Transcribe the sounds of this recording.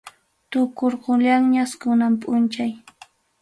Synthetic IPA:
t̪ʊkoɾqoʎaŋɲaskʊnampʼʊnt͡ʃaj

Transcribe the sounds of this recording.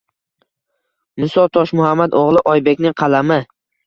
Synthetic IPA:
mʊsɒt̪ʰɒʃmʊhamːad̪oʁlˠɪʔɒjbe̞kʲnɪŋqʰɑlamɪ

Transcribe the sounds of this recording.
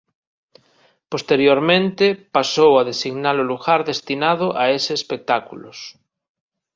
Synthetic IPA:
post̪eɾjoɾmẽnt̪epasowaðesiɣnaloluɣaɾðest̪inað̞oʔaeseːspek̚t̪akulos

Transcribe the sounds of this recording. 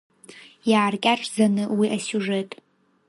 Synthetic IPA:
jaːrkʲʼaʂʰzanɨwiʔasʲuʐe̞tʼ

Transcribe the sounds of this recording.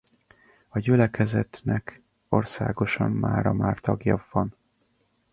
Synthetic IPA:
ɒɟylɛkɛzɛt̪nɛk | o̞rsa̰ːɡo̞ʃɒmːaːɾɒmaːrt̪ɒɡjɒvɒn

